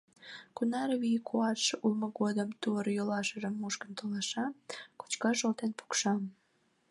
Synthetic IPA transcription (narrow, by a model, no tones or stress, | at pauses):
kunɑɾβikʰuɑʃulməɣod̪əmt̪uəɾjolɑʃəʒəmːuʃkəmt̪olɑʃɑko̥t͡ɕkɑʃolt̪enpu̥kʃɑm